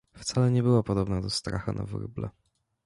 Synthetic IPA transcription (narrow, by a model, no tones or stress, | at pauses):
ft̪salɛɲɛbɘwapɔd̪ɔbnad̪ɔst̪ɾa̰xa̰na̰vɾɘ̰blɛ̰